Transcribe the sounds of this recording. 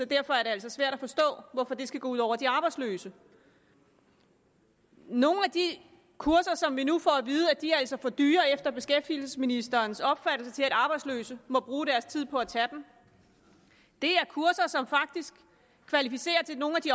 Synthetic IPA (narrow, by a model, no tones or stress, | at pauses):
sɒ̽d̥æɐ̰fɒ̽æɐɾe̝ælsɒ̽sʋæɐ̰ɾ̥æfɒ̽sd̥ɔ̰̽ːʋɒfɒ̽d̥e̝sɡ̥æɡ̥ɔuðˠɒ̰ʊɐd̥iɑ̈ːb̥ɑ̈ɪdslø̰ːsə | no̝ːn̩æd̥i | kʰuɐsɐsɒ̽mʋinufɒæʋiːð̞ˠæd̥iæl̰sɒ̽fɒd̥yːɐefd̥ɐb̥e̝sɡ̥efd̥iːl̩səsminisd̥ɐːnsɒ̽b̥fæd̥l̩sət͡sʰe̝læɾ̥ɑ̈ːb̥ɑ̈ɪ̥slø̰ːsəmɒ̽b̥ʁuːɾ̥æɐst͡sʰið̰ˠpʰɒ̽æt͡sʰæd̥em̩ | d̥e̝æɐkʰuɐsɐsɒ̽mfɑ̈ɡ̥̚d̥isɡ̥ | kʰʋælifise̝̰ːɐt͡sʰe̝lno̝ːn̩æd̥i